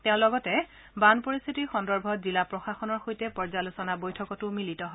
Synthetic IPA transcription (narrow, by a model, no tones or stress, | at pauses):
tɛ̃ʊ̃lɔɡɔtɛ | banpoɹist̪ʰitiɹxɔndɔɹbʱɔzilapɹɔxaxɔnɔɹxojtɛpɔɹzalusɔnabojtʰɔkɔtʊmilitɔɦɔ